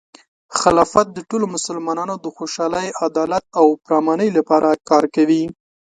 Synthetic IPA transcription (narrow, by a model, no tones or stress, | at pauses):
xalɑfat̪̚d̪əʈolomʊsəlmɑnɑnod̪əxoʃɑləjad̪ɑlat̪̚awpɾɑmɑnəjlapɑɾʔakɑɾkawi